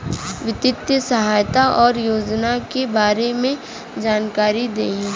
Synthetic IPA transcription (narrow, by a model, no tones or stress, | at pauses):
ʋɪt̪ɪt̪jəsɐɦaːjt̪aʔɔːɾjoːd͡ʒnakebaːɾemẽ | d͡ʒaːnkaːɾid̪eːĩ